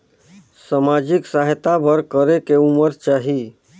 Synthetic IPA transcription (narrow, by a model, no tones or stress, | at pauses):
samad͡ʒɪksaɦt̪abʱəɾkəɾekeuməɾt͡ʃaːɦi